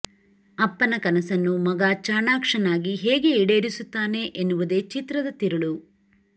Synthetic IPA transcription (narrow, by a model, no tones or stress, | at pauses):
ɐpːɐnɐkɐnɐsɐnːumɐɡaːt͡ʃaːɳaːkʂɐnaːɡiɦeːɡe̞iɽe̞ːɾisut̪ːaːne̞ʔenːuʋud̪e̞ːt͡ʃit̪ɾɐd̪ɐt̪iɾɐɭu